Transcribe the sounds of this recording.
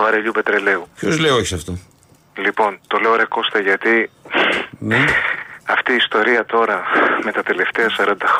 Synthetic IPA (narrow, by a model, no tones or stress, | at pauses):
vɐɾeʎupe̞t̪ɾe̞le̞upçozleoeçi̥sɐft̪o | lipo̞nt̪o̞le̞oɾeko̞st̪ɐʝɐt̪i | n | ɐft̪iːst̪o̞ɾiɐt̪o̞ɾɐme̞t̪ɐt̪e̞le̞ft̪e̞ɐsɐɾɐnd̪ɐx